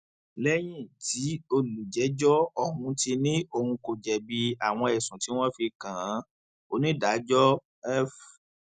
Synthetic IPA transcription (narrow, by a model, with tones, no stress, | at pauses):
lɛ˦j̃ĩ˦˨ti˨˦o˧lu˨d͡ʒɛ˨˦d͡ʒɔ˦ɔ˦hũ˧ti˧nĩ˦o˧hũ˧ko˨d͡ʒɛ˨bi˧a˨w̃ɔ̃˧ɛ˨sũ˨ti˨˦w̃ɔ̃˦fi˧kã˨˦ | o˧nĩ˦da˨˦d͡ʒɔ˦ | ɛ˦f